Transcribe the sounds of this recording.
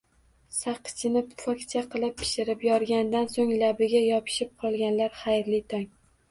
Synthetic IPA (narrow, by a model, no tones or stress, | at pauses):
saqʰɨ̥t͡ʃʰɪnɪpfɒkʲt͡ʃʰaqʰɨlˠɪpʰːɪ̥ʃɪɾɪpjɒɾɡʲand̪ansoŋlabɪɡʲajɒpʰɪ̥ʃɪp̚qʰɒlˠɡʲanlaɾχajɾlɪt̪ʰaŋ